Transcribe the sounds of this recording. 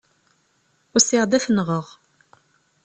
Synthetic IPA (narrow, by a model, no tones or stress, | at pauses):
ʊɾsɪʁd̪æfənːʁəʁ